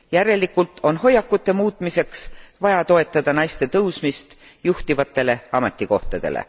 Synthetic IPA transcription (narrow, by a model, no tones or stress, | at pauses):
jæɾe̞likːult̪ˑo̞nho̞jːɑkːˑut̪ːe̞muːt̪ːˑmise̞ksvɑjɑt̪o̞e̞t̪ˑːɑd̪̥ɑnɑjst̪e̞t̪ɤwsmist̪ | juht̪ivɑt̪ːˑe̞le̞ɑme̞t̪ːˑiko̞ht̪ɑd̪̥e̞̰lḛ